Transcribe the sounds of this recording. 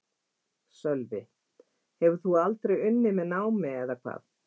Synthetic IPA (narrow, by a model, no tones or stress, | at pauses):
sœlvɪ | hɛvʏ̥θualt̪ɾejʏnːɪmɛðnaːwmɪɛðakʰva̰ːθ